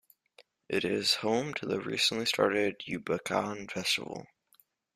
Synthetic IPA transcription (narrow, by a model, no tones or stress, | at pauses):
ʔɪɾɪz̥hõʊ̃mtʰɨðəɹisn̩ʔlistʰɑ̰ɹɾɪdjʉbəkʰɑ̃nfɛstə̰vl̩ˠ